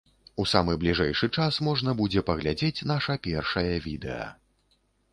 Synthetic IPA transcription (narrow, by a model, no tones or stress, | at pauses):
usamɨblʲiʐɛjʂɨt͡ʂasmɔʐnɐbud͡zʲɛpɐɣlʲad͡zʲet͡sʲnaʂɐpʲɛrʂɐjɐvʲid̪ɛ̰jɐ̰